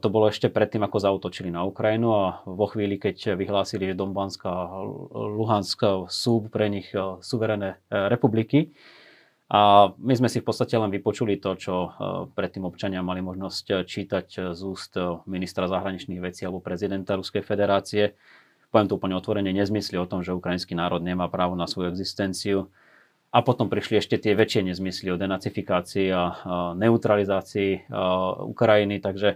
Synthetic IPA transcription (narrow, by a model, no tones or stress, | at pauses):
t̪ɔbɔlɔɛʃcɛpɾɛt̪ːiːmakɔzauːt̪ɔt͡ʃilinaukɾajinuaʋɔxʋiːlikɛcʋiɦlaːsiliʒɛd̪ɔmbanska | luɦansksuːppɾɛɲixsuʋɛɾɛnɛɾɛpubliki | ʔamizmɛsifpɔt̪st̪acɛlɛnʋipɔt͡ʃulit̪ɔt͡ʃɔpɾɛt̪ːiːmɔpt͡ʃaɲɪamalimɔʒnɔsct͡ʃiːt̪aczuːst̪minist̪ɾazaɦɾaɲit͡ʃniːɣʋɛt͡siːalɛbɔpɾɛzid̪ɛnt̪aɾuskɛjfɛd̪ɛɾaːt͡siɛ | pɔʋjɛmt̪ɔuːpl̩ɲɛɔt̪ʋɔɾɛɲɛɲɛzmisliɔt̪ɔmʒɛukɾajinskinaːɾɔd̪ɲɛmaːpɾaːʋɔnasʋɔjuɛɡzist̪ɛnt͡siu | apɔt̪ɔmpɾiʃliɛʃcɛt̪ɪɛʋɛt͡ʃɪɛɲɛzmisliɔd̪ɛnat͡sifikaːt͡siːanɛut̪ɾalizaːt͡siː | ṵkɾajinit̪aɡʒɛ